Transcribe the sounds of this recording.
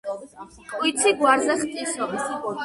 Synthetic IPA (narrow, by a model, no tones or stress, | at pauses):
kʼwit̪sʰiɡwaɾzɛχt̪ʼisɔbisibɔ